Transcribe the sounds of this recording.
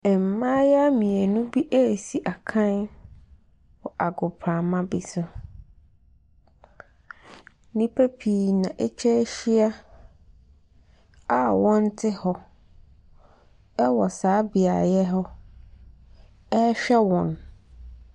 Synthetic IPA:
ɛ˨m̩˨mã˦jɛ˦a˦mĩ˨ɛ˨nʊ̃˦bi˦ʔe˦˨si˨ʔa˨kʰã˦n | wɔ˨ʔa˨ɡʊ˨pʰɾã˨mã˦bi˨sʊ˦ | nĩ˦pʰe˦pʰi˨nã˨ʔe˦t͡ɕʰɛ˦ɕi˦a˦ | a˨wɔ̃˦n˦tʰɪ˦hɔ˦ | ɛ˦wɔ˨saː˨˦bi˨a̰˨jɛ˦ɦɔ˦ | ɛ˦ɕᶣɛ˦wɔ̃˨n

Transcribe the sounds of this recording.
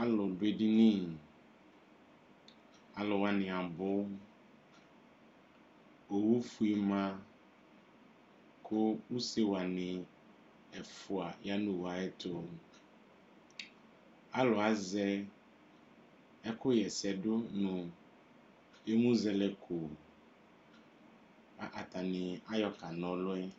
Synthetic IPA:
a˦lʊ˨dʊ˨˦e˨di˦nĩ˦ | a˨lʊ˨wa˨nɪ̃˨a˨bʊ˦ | o˨wu˦fu˦i˨mã˦ | kʰʊ˦u˦se˦wa˨nɪ̃˨ | ɛ˨fu˨a˨ja˦nũ˨wa˨ɛ˦t̪o˦ | a˦lɔ˨a˨zɛ˦ | ɛ˦kʊ˦jɛ˨sɛ˨ɖo˦nũ˨ | e˦mũ˦zɛ˦lɛ˨kʰu˨ | a˨ʔa˨t̪a˨nɪ̃˨a˦jɔ˨ka˨nɔ̃˨lʊ˦ɛ˦

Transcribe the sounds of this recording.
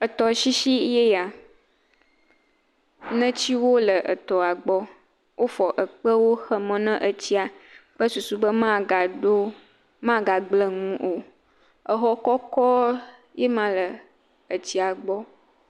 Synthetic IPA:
ə˨t̪ɔ˨ʃi˦ʃi˦je˦ja˨ | nə̃˦t͡ɕi˦wo˦lə˨ʔə˨t̪ɔ˨a˨ɡ͡bɔ˦ | wʔo˦fɔ˨ʔə˨k͡pə˦wo˦xə˦mə̃˨nə̃˦ʔə˨t͡ɕi˦a˨k͡pə˦su˨su˨bə˦mã˦ɡa˨ɖo˦ | mã˦ɡa˨ɡ͡blə˨ŋũ˦ʔo˨ | ə˨ɦɔ˦kɔ˦kɔ˦ | je˦mã˦lə˨ | ə˨t͡ɕi˨a˨ɡ͡bɔ˦

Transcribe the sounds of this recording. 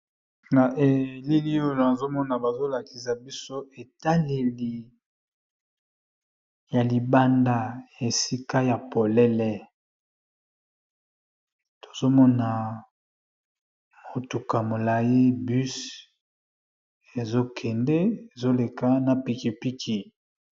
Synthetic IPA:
na˨ʔe˨li˦li˦o˦lo˨na˨zo˦mɔ˦na˨ba˨zo˦la˨ki̥˨sa˨bi˦so˦e˨ta˦le˨li˨ | ja˨li˨ba˦nda˦je˨si˦ka˦ja˨po˨lɛ˦lɛ˨ | to̥˨zo˦mɔ˦na˨ | mo˨tu˨ka˨mo˨la˨ji˦by˦s | e˨zo˦kʰɛ˨ndɛ˦e˨zo˦le˨ka˦na˨pi˨ki˨pi˦kʰi˨

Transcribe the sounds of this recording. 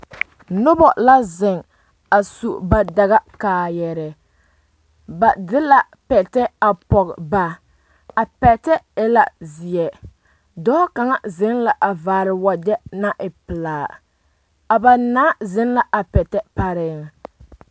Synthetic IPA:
nʊ˦bɔ˨la˦zɪ˨ŋ | a˨su˨ʔba˨da˨ɣa˦kaː˨jɛ˨ɾɛ˨ | ba˨dɪ˦la˨ | pɛ˨tɛ˦a˨pɔ˨ɣba˨ | a˨pɛ˨tɛ˦ɪ˦la̰˨zɪ˨ɛ˨ | dɔ˦ka˨ŋa˦zɪ˨˦nla˨ʔa˨vaː˨ɾɪ˨wa˨dɛ˦na˦ʔɪ˨pɪ˨laː˨ | a˨ba˨naː˦zɪ˦nla˦ʔa˨pɛ˨tɛ˦pa˨ɾɪː˦ŋ˨

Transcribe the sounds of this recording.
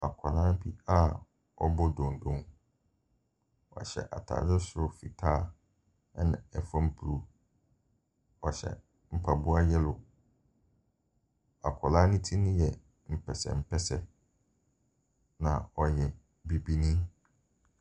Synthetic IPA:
a˨kʰa˨lãː˦bʰi˦a˦ | ɔ̰˨bɔ˦dɔ̃˨n˨dõ˨ŋ | wɔ̰˨ɕɛ̰˨ʔa˨tʰa̰ː˨dɪ˦sʊ˦ɾʊ˦fi˨tʰaː˦˨˦ | nã̰˨ɛ˨fã˦m̩˦pʰu˨ɾu˨ | ɔ˨ɕɛ̰˨ | m̩˨pʰa˨bu˦a˦jɛ˦lʊ˨ | a˨kʰɔ˨lãː˦nĩ˦tʰi˦nʊ̃˦jɛ˨ | m̩˨pʰɛ˨sɛ̰˨m̩˨pʰɛ˦sɛ˨ | nã˨ɔ˨jɛ̃˨ | bi˨bi˦nĩ˦

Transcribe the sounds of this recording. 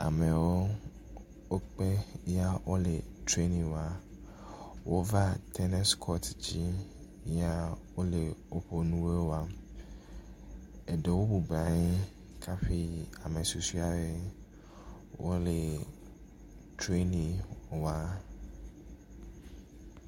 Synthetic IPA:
a̰˨me˨wo˦ | o˦k͡pe˦ja˦wʔo˦le˨tɾe˦nĩ˨wa˨ | wʔo˦va˦t̪ʰɛ˦nɛ˦skʰɔ˦td͡ʑi˦ | a˦wo˦le˨o˦ɸo˨nũ˦we˦wo˦a˦ | e˨de˨wo˦bu˨ba˨ɲɪ̃˦ | kʰa˦ɸi˦a˨me˨su˨su˦a˨be˦ | wʔo̰˦le˨ | tɾe˦nĩ˨wa˦

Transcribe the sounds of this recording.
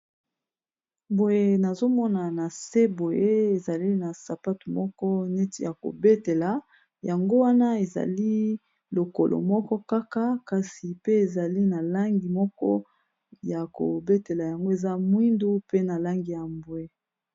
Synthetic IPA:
mbo˨je˨na˨zo˦mɔ˦na˨na˨se˦bo˨je˦e˨za˨li˦na˨sa˨pa˦tu˨mɔ˦kɔ˦nɛ˦ti˨ja˨ko̰˨be˦te˨la˨˦ | ja˨ŋɡo˦wa˦na˦e˨za̰˨li˦ | lo˨ko˨lʔo̰˨mɔ˦kɔ˦ka˦ka˦ka˨si˨pe˦e˨za˨li˦na˨la˦ŋɡi˨mɔ˦kɔ˦ | ja˨ko̰˨be˦te˨la˨ja˨ŋɡo˦e˨za˦mwi˦ndu˦pe˦na˨la˦ŋɡi˨ja˨mbwe˨

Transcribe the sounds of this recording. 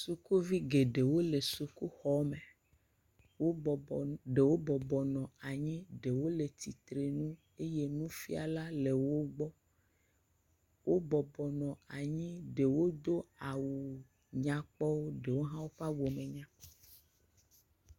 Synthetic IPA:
su˨ku˦vi˦ɡe˨ɖe˨wo˦le˨su˨ku˦xɔ˨me˨ | wo˦˨ɖe˨wo˦bɔ˨bɔ˨nɔ̃˨a˨ɲĩ˦ɖe˨wo˦le˨t̪i˨t̪ɾe˨nũ˦ | e˦je˦nũ˦fi˦a̰˨la˦le˨wo˦ɡ͡bɔ˦ | wo˦bɔ˨bɔ˨nɔ̃˨a˨ɲĩ˦ɖe˨wo˦d̪o˦a˨wu˨ | ɲã˨k͡pɔ˦wo˦ɖe˨wo˦ɦã˦wo˦ɸa˦wo˨mẽ˨ɲã˦

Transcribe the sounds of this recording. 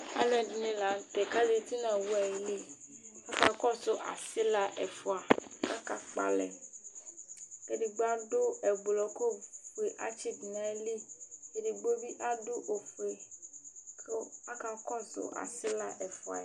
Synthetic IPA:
a̰˦lɛ˨di˦nĩ˦la˨˦t̪ɛ˨ka˦di˦t̪i˦nã˨wu˦a˨jli˦a˦ka˨kɔ˦sʊ˦ʔa̰˨si˦la˦ʔɛ˨fu˨a˨ka˦ka˨k͡pa̰˨lɛ̰˨ | ke˨di˨ɡ͡ba˦dʊ˦ɛ˨ɡ͡blɔ˨ko˦fu˨e˨ʔa˦t͡ʃi˦dnã˨˦li˦e˨di˨ɡ͡bo˦bi˦ʔa˦dʊ˦ʔo˨fu˨e˨ | kʰe˦a˦ka˨kɔ˦sʊ̰˦ʔa̰˨sɪ˦la˦ʔɛ˨fʊ˨a̰˨

